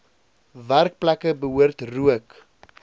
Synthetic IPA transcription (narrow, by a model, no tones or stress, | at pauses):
værk̚plækəbəɦuərtruək